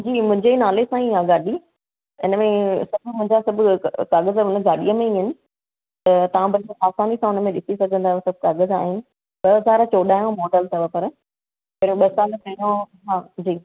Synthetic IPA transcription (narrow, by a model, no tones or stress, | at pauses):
d͡ʑiːmʊ̃ɦɪ̃ɲd͡ʑenaːlesãːiɦãɡaːɗi | ɪnəmẽsɐbʱmʊ̃ɦɪ̃ɲd͡ʑasɐbʱʊkaːɣəzʊnəɡaːɗiəmẽiɦənɪ̆ | t̪ɐt̪ɐʋ̤ãbʱɐɾaːsaːnisãʊnəmẽɗɪsisɐɡʱə̃nd̪aɦesɐbʱkaːɣəza̰ːɦɪnɪ̆ | ɓɐɦɐzaːɾt͡ɕoːɗaːɦjõmɔːɖəlt̪ʰɐbʱəpɐɾ | pɐɾɓɐsaːlk̪ʰɐ̃õ | ɦaːd͡ʑiː